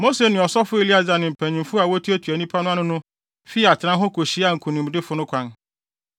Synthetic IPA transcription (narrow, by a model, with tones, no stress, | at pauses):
mo˦se˨nʊ̃˨ɔ˨sɔ˦fʊ˦e˨li˦a˦d͡za˨nɪ̃˨m̩˨pʰæ̃˨ɲĩ˨mfʊ˦a˨wo˦tʰu˦æ˦tʰu˨æ˨nĩ˦pʰa˦nʊ̃˦a˦nʊ̃˦nʊ̃˦ | fi˦˨a˨t͡ɕʰɪ˨ã˦nɦɔ˦kʰo˨ɕi˦a˦ŋ̩˨kʰũ˨nĩ˨m˨dɪ˦fʊ˦nʊ̃˦kʰʷã˨n